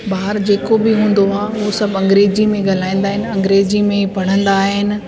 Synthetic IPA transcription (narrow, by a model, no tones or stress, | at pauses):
baːɦɪɾd͡ʑeːkobɪɦũːn̆d̪oaːosɐbɐ̃ŋɡɾeːd͡ʑimẽɡɐl̤aːĩːn̆d̪aːɦɪnɪ̆ɐ̃ŋɡɾeːd͡ʑimẽpɐɽ̤ə̃nd̪aːɦɪnɪ̆